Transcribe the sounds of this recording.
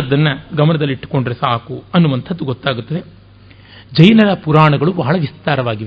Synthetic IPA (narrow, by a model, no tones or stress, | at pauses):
d̪ːɐnːɐɡɐmɐnɐd̪ɐlːiʈːu̥ko̞ɳɖiɾesaːkuɐnːuʋɐnt̪ʰɐd̪ːuɡɔt̪ːaːɡut̪ːɐd̪e̞ | d͡ʒɐjnɐɾɐpuɾaːɳɐɡɐɭubɐɦɐɭɐʋist̪aːɾɐʋaːɡiʋe